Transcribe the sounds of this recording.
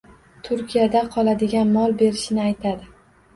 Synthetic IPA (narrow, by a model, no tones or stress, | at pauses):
t̪ʰʊɾkʲijad̪aqʰɒlˠad̪ɪɡʲanmɒlˠbe̞ɾɪʃɪnɪajt̪ʰad̪ɪ